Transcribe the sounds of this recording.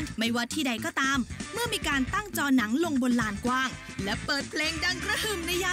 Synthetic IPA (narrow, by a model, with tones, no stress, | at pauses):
ma˥˩jwaː˥˩t̪ʰiː˥˩da˧jkɔː˥˩t̪aː˧mːɯ˥˩ɐmiː˧kaː˧nt̪a˥˩ŋt͡ɕɔː˧na˩˦ŋlo˧ŋbo˧nlaː˧nkwaː˥˩ŋ | lɛ˦˥pɤː˨˩t̪̚pʰleː˧ŋda˧ŋkʰɾa˦˥˩hɯ˨˩mna˧jaː˧